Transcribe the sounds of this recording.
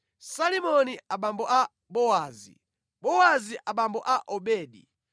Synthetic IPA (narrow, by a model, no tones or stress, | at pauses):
salimɔniaɓambɔʔa | ɓɔwaːzḭ | ɓɔwaziʔaɓambɔʔaʔɔɓɛːɗḭ